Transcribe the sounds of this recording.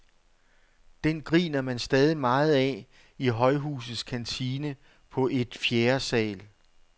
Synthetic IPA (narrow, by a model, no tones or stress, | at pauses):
d̥enɡ̥ʁḭːnɐmænsd̥ɛːð̞ˠimɑ̈ːð̞̩ˠɛ̰ | iɦɒ̽ɪɦṵːs̬ð̩ˠskʰænt͡sʰiːnə | pʰɒ̽ʔe̝d̥fjeːɐsɛ̰ːl